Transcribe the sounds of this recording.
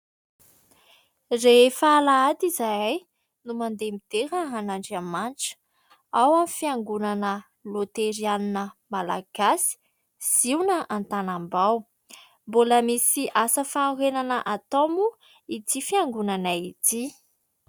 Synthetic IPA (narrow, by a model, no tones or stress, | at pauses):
refaːlaad̪izaaj | numand̪emit̪eɾəanaɳɖ͡ʐamanʈ͡ʂə̥ | awamifiaŋɡunanə | lot̪eɾianinəmala̰ɡ̥asi̥ | z̥iwnəʔant̪anambaw | mboləmisiʔasəfanurenanəʔat̪omu | it̪ifiaŋɡunanait̪i